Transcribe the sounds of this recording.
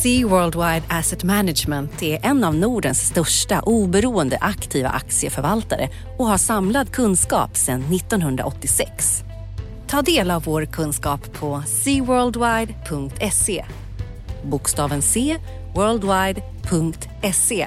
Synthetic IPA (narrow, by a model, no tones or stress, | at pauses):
siːwœːld̪wajd̪æsɛt̪mænad͡ʒmɛnt̪æɾʔɛnːavnuːɖənsːt̪œʂʈa̰ʔuːbɛɾuːənd̪ə̰ʔakt̪ʰiːva̰ʔa̰k̚t̪sɪəfœɾvalt̪aɾə̰ | ɔhaʂamlad̪kʰɵnːskɑ̰ːpsɛnːɪt̪ːɔnɦɵnd̪ɾa̰ʔɔt̪ːɪsɛ̰ks | t̪ʰɑːd̪eːlavːoːɾkʰɵnskɑːpʰːɔsiːwœːld̪wajd̪pʰɵŋkt̪ʰɛseː | bʊkst̪ɑːvənseː | wœːld̪wajd̪ | pʰɵŋkt̪ | ɛseː